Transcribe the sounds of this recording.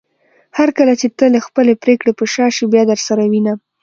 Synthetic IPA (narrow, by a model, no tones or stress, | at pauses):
haɾkəlat͡ʃet̪ələxpəlepɾekɽepəʃɑʃibjɑd̪əɾsaɾawina